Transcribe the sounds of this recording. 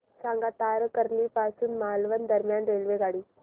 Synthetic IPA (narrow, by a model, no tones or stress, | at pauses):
saŋɡat̪aɾəkəɾniːpasuːnmalʋənd̪əɾmjanɾelʋeɡaɽiː